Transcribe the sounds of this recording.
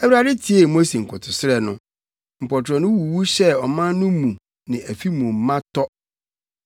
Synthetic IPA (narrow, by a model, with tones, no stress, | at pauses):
æ˨wi˦a˨dɪ˦tʰi˦e˨mo˦se˨ŋ̩˨kʰʊ˨tʰʊ˨sɪ˦ɾɛ˨nʊ̰̃˦ | m̩˨pɔ˨tʰɾɔ˨nʊ̃˦wu˨wu˦ɕɛ˦˨ɔ˨mã˦nʊ̃˦mũ˨ | nɪ̃˨ʔæ˨fi˦mũ˨m˨mã˦tʰɔ˦